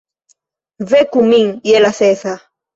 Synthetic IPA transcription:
vekumiŋjelaseθa

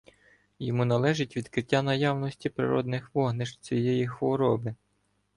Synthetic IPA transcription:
jɔmunɐlˠɛʒɪtʲʋʲid̪kɾɪtʲːanɐjawnɔsʲtʲipɾɪ̰ɾɔ̰d̪nɪxʋɔɦnɪʃt͡sʲijɛjixʋɔɾɔbɪ

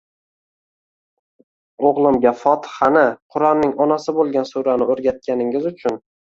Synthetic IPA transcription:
oʁlˠɪmɡʲafɒt̪ʰɪ̥hanɪqʰʊɾɒnːɪŋɒnasɪbolˠɡʲansuɾanɪɵɾɡʲat̪̚kʲʰanɪŋɪzʊt͡ʃʰʊn

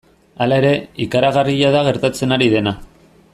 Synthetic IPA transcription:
alae̞ɾe̞ikaɾaɣ̞ariʎaðaɣe̞ɾt̪at͡se̞naɾiðe̞na

